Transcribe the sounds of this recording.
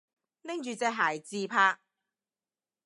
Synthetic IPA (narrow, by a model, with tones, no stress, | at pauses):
nɪ˥ŋt͡ʃyː˨˧t͡sɛː˧ɦaː˨˩jt͡siː˧pʰaː˧k̚